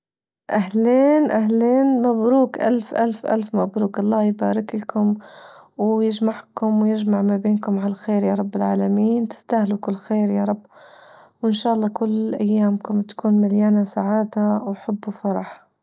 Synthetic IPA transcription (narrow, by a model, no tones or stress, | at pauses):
ʔahleːnʔahleːnmabɾuːkʔa̰lfʔa̰lfʔa̰lfmabɾuːkɑlˤːɑːjbaːɾɪklakʊmwjɪd͡ʒmaʕkʊmwjɪd͡ʒmaʕmabeːnkʊmʕalalxeːɾjaːɾˤɑbːɪlʕaːlamiːnt̪ɪ̥st̪ahlukɪlːxeːɾjaːɾˤɑbː | wʔɪnʃaːʔɑlˤːɑːkʊlːʔajːaːmkʊmt̪ḁkuːnmaljaːnasaʕaːd̪awħabːufɑɾˤɑħ